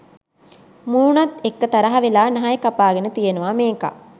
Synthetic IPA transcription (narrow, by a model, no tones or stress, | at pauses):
muːnat̪ekːət̪ɐɾɐɦɐʋelaːnɐɦajkapaːɡenət̪ijenuʋameːka̰